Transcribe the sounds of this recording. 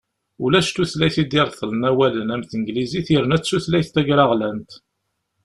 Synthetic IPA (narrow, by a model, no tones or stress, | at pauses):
ulæʃt̪uθlæjθid̪iɾˤθˤələnæwælənæmθənɡliziθjəɾnæt͡sːuθlæjθt̪æʝɾɑʁlænt̪